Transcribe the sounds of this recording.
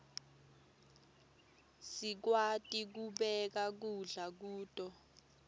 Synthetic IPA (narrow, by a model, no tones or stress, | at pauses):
sik̬watʼik̬uɓɛk̬ak̬uɮak̬uːtʼɔ